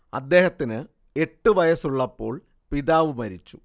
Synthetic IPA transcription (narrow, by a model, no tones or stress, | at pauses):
ɐ̰d̪ːe̞ːhɐt̪ːinɨ | e̞ʈːɨʋɐjɐsuɭːɐpːo̞̰ːɭ | piðaːʋɨmɐɾit͡ɕːu̥